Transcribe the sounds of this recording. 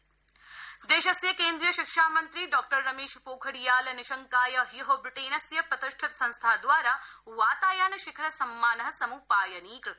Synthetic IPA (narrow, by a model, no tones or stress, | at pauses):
d̪eːʃɐsjɐkeːnd̪ɾijɐʃikʂaːmɐnt̪ɾiɖɔːk̚ʈɐɾːɐmeːʃpoːkʰɐɽijaːlɐnɪʃɐŋkaːjɐɦjɐɦobɾɪʈeːnɐsjɐpɾɐt̪ɪʃʈʰɪt̪sɐ̃nst̪ʰaːd̪ʋaːɾaːʋaːt̪aːjaːnɐʃɪkʰɐɾɐsɐmːaːnɐɦɐ̆sɐmuːpaːjɐniːkɾɪt̪